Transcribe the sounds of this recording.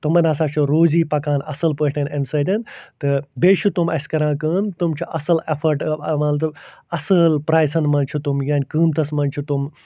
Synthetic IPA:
t̪umɐnʲɐsaːt͡ʃʰuɾoːziːpɐkãːnɐ̰sɨlpəːʈʰɐnɐnsɐːd̪ʲɐnt̪ɨbeːt͡ʃʰut̪umɐsʲkɐɾãːkəːnt̪umt͡ʃʰuʔɐsɨlefʰɐɾʈmɐnt̪ɐɐsɨlpɾaːjsɐnmɐnt͡ʃʰut̪umjaːnʲkɨːmt̪ɐsmɐnt͡ʃʰut̪um

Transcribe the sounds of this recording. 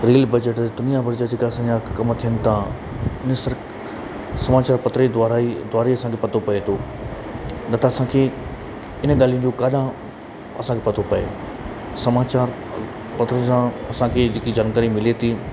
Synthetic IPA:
ɾeːlbɐd͡ʑəʈd̪ʊnijabɐɾd͡ʑad͡ʑeːkaɐsãːd͡ʑakɐmt̪ʰijənɪ̆t̪ʰã | ɪnsɐɾ | sɐmaːt͡ɕaːɾpɐt̪ɾed̪ːɾaid̪waːɾiɐsãkʰepɐt̪ʰopɐet̪ʰo | nɐt̪ʰaɐsãkʰe | ɪnɠaːlij̃̆d͡ʑokaːɗã | ɐ̰sãkʰepɐt̪ʰopɐḛ | sɐmaːt͡ɕaːɾ | pɐt̪ɾəsãɐsãkʰed͡ʑɪkid͡ʑaːnkəɾimɪlet̪ʰi

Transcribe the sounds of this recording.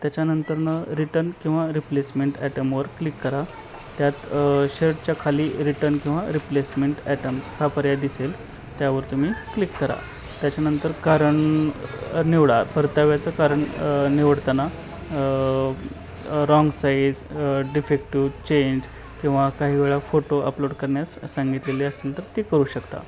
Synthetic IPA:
t̪jat͡ɕjanənt̪əɾnəɾiʈəɾnkĩw̃ʋaɾiplesmeɳʈɛʈəmʋəɾklikːəɾa | t̪jat̪ɕeɾʈt͡ɕjakʰaliːɾiʈəɾnkĩw̃ʋaɾiplesmeɳʈɛʈəmskʰapəɾjad̪isel | t̪jaʋəɾt̪um̤iːklikːəɾa̰ | t̪jat͡ɕanənt̪əɾkaɾəɳ | niʋɽapəɾt̪aʋjat͡səkaɾəɳniʋəɽt̪ana | ɾɔŋɡsajd͡zɖifek̚ʈit͡ɕeɲd͡ʑ | kĩw̃ʋakaɦiːʋeɭafoʈoʔə̰ploɽkəɾɳjasːaŋɡit̪leliːəsnənt̪əɾt̪ikəɾuːɕəkt̪a̰

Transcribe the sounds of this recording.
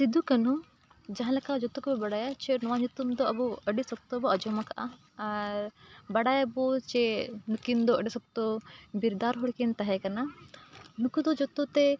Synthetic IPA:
sid̪ukɐnu | d͡ʒɐɦãlɐkad͡ʒɔt̪ukubibɐɽajat͡ʃenɔʋaɲut̪umd̪ɔɐbuɐɖisɔk̚t̪ɔbɔɐd͡ʒɔmɐkʰa̰ | ɾbɐɽajabot͡ʃɛnukind̪ɔɐɖisɔk̚t̪obiɾd̪aɾɦɔɭkint̪ɐɦɛkɐna | nukud̪ɔd͡ʒɔt̪ut̪e

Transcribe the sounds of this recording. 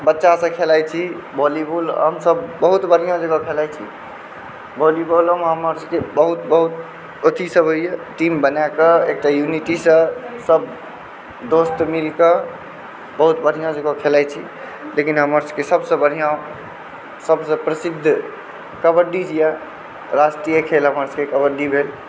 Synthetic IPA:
bətːʃasə̃kʰelajt͡ʃʰi | bɔlibolɦəmsəbːəɦut̪bəɽ̤ijõd͡ʒəɡɔkʰelajt͡ʃʰḭ | bɔlibolomɦəməɾskebəɦut̪bəɦut̪ | ot̪isəbɦojjeʈimbənakəek̚ʈajuniʈisə̃səb | d̪ost̪milkə | bəɦut̪bəɽ̤ijãd͡ʒeɡɔkʰelajt͡ʃʰḭ | lekinɦəməɾsəkesəbsə̃bəɽ̤ijã | səbsə̃pɾəsid̪ʱː | kəbəɾɖid͡ʒija | ɾasʈɾijəkʰelɦəməɾskekəbəɾɖibʱel

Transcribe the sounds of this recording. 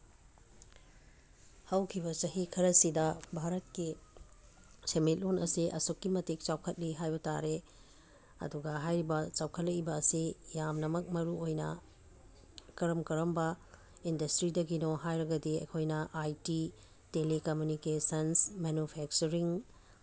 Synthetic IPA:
hɐwkʰibɐt͡ʃɐɦikʰɐɾɐsidɐbʱaɾɐt̚ki | semit̚lonɐ̰siʔɐ̰sukːimɐtek̚t͡ʃawkʰɐt̚liɦajbɐta̰ɾe | ɐ̰duɡɐɦajɾibɐt͡ʃawkʰɐt̚lɐkibɐːsijamnɐmɐk̚mɐɾuojnɐ̰ | kɐɾɐmkɐɾɐmbɐ | indɐstɾidɐɡinoɦajɾɐɡɐdiɐ̰jkʰojnɐʔajti | telekomjunikesɐnsmenupʰɛk̚t͡ʃuɾiŋ

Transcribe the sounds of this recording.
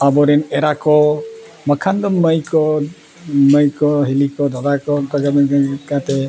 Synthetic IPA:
abɔɾineɾakɔ | məkʰand̪ɔmːəjkɔ | məjkɔɦilikɔd̪ɔd̪akɔtɔɡakat̪e

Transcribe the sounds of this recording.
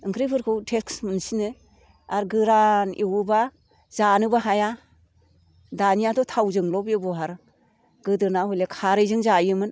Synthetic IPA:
ɯŋkʰɾipʰɯɾkʰɯwtʰeksmɯnsinɯ | aɾɡɯɾanʔiwba | zanɯbaɦaja | danijatɔtʰawzɯŋlɔbjɯbɔɦaɾ | ɡɯdɯnahɔjlekʰaɾɯjzɯŋzajɯmɯn

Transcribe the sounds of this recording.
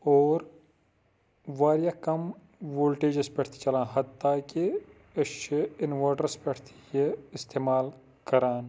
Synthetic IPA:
oːɾ | ʋaːɾjaːkɐm | ʋoːlʈeːd͡ʒɪspɐʈʰt̪ʰi̥t͡ʃɐlãːɦɐt̪ːaːki | ɐʃt͡ʃiɪnʋaːʈəɾspɐʈʰt̪ʰi̥jiɪst̪eːmaːl | kɐɾaːn

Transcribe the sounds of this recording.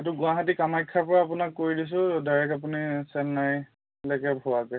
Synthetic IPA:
etʊɡʊaɦat̬ikamajkʰːapɔɹaːpunakːoɹidis̬ʊ̃daɹɛkapunisɛnːaj | lɛkɛpɦuwakɛ

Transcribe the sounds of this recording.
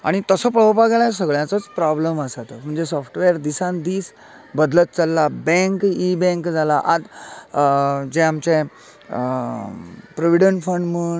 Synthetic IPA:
a̰ɽ̃it̪əsəpəəpaɡeɭasəɡɭjãt͡sət͡spɾɔbləməsat̪əm̤əɳd͡zesɔfʰʈʋeəɾd̪isãnd̪iːs | bəd̪lət̪̚t͡salːabɛ̃ŋkibɛ̃ŋkd͡zʱalaʔad̪ | d͡zɛ̃amt͡ɕẽ | pɾoʋiɽənʈfəɳmuːɳ

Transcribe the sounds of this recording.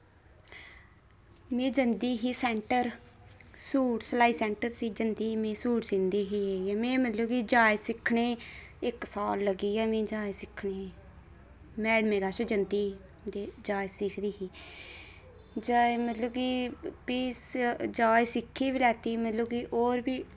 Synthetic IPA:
mẽːd͡ʒənd̪iːɦiːsɛːɳʈəɾ | suːʈsəlaːiːsɛ̃ːɳʈəɾsiːd͡ʒənd̪iːmẽːsuːʈsɪnd̪iːɦiːeːiɛːmẽːmət̪ləbkiːd͡ʒaːesɪkʰɳeːɪksaːlːəɡiːɛːmẽːd͡ʒaːesɪkʰɳeː | mɛːɽmeːɡaːʃed͡ʒənd̪iː | d̪ed͡ʒaːjsɪkʰd̪iːɦiː | d͡ʒaːemət̪ləbkiːpiːsd͡ʒaːjsɪkʰːiːbilɛːt̪iːmət̪ləbkiʔoːɾbiː

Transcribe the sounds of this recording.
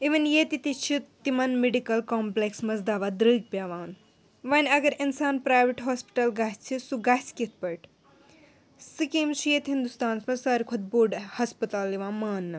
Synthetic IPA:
iʋinjet̪it̪it͡ʃʰit̪imɐnmeɖikɐlkoːmpleksmɐsd̪aːʋad̪ɾəɡ̚pʲjaːʋaːn | ʋɐnʲɐɡɐɾinsaːnpɾajʋiʈɦoːspi̥ʈɐlɡast͡ʃʰisuɡaskit̪̚ʰpɐʈʰ | sɨkimsijet̪ɦind̪ust̪aːnsmɐsɐɾkʰod̪̚boːɖhɐspɐt̪aːlːiʋãːmaːnːɨ

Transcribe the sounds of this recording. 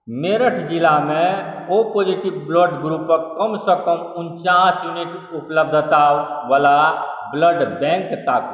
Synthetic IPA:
meːɾəʈʰd͡ʒɪlamẽopoːd͡ʒiʈibbloɖɡɾupkəmsəkəmʊnt͡ʃaːsjuniʈ | ʊpləbd̪ʱət̪aʋalabləɖbɛ̃ŋkt̪aːku

